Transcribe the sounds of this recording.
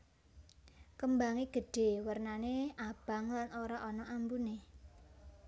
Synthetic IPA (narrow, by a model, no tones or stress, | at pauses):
kəmbaŋeɡ̥ə̤ɖ̥e̤wərnaneab̥a̤ŋlanoɾaʔɔnɔʔambune